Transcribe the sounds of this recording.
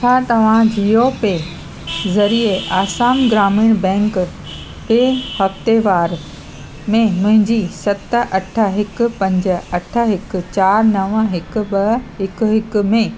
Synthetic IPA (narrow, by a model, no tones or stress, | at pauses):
t͡ɕʰaːt̪ɐʋ̤ãd͡ʑiːope | zɐɾieʔaːsaːmɡɾaːmiːɽ̃bɛ̃ːŋk | peːhɐft̪eʋaːɾ | mẽmʊ̃ɦɪ̃ɲd͡ʑisɐt̪əʔɐʈʰə̆ɦɪkʊ̆pɐ̃ɲd͡ʑə̆ɐʈʰə̆ɦɪkʊ̆t͡ɕaːɾnɐʋəɦɪkʊ̆bɐɦɪkʊɦɪkʊ̆mẽ